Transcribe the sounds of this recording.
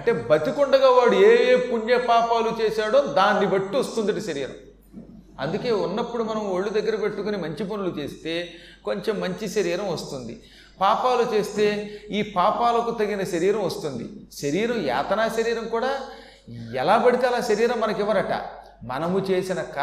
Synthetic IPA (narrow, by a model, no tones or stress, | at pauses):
ɐɳʈe̞ːbɐt̪ikuɳɖɐɡaːʋaːɽueːeːpuɲjɐpaːpaːlut͡ʃe̞ːsaːɽomd̪aːnːibɐʈːiost̪und̪ɐʈiʃɐɾiːɾɐ̰m | ɐ̰nd̪uke̞ːunːɐpːuɽumɐnɐmoɭːud̪ɐɡːɐɾɐpe̞ʈːukunimɐɲt͡ʃipɐnulut͡ʃe̞ːst̪e̞ː | ko̞ɲt͡ʃe̞mːɐɲt͡ʃiʃɐɾiːɾɐmʋɐst̪und̪ḭ | paːpaːlut͡ʃe̞ːst̪e̞ːiːpaːpaːlɐkut̪ɐɡːinɐʃɐɾiːɾɐmʋɐst̪und̪ḭʃɐɾiːɾɐmja̰ːt̪ɐnaːʃɐɾiːɾɐmkuːɽaː | ɛlaːbɐɽit̪eːɐlaːʃɐɾiːɾɐmːɐnɐkiʋːɐɾɐʈa̰ | mɐ̰nɐmut͡ʃe̞ːsinɐkː